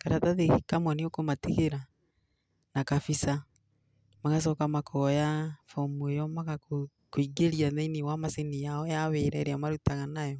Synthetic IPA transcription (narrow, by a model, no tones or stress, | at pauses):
kaɾataðehikamwaneokomateɣeɾa | nakafisa | maɣas̬ɔkamakʰɔɔjafɔmojɔmaɣako | koiɡeɾiaðeiniwamasenijaɔjaweɾɛɾeamaɾutaɣanajɔ